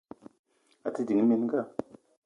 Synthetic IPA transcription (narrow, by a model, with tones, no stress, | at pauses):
a˨ta˦di˨ŋ˦mi˦˨n˦ɡa˦˨